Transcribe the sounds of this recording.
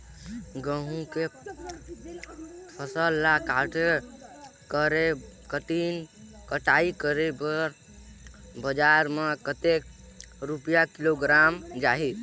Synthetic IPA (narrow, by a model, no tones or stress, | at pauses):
ɡəɦũke | pʰəsəlːakaɾʈʰe | kəɾekəʈinkəʈaikəɾebəɾ | bəd͡ʒaɾmekət̪ek | ɾupijakiloɡɾamd͡ʒaɦi